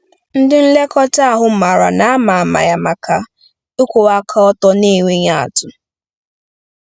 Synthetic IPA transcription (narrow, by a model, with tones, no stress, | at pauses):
n̩˦dɪ˦n̩˦le˦kɔ˦ta˦a˦˨ɦʊ˦ma˨ɾa̰˨na˦a˦ma˨a˨ma̰˨ja˨ma˨ka˨ | o˦kʷo˨a˦kʰa˦ɔ˦tɔ˦ni˦˨we˦ɲa˦a̰˨tʊ˦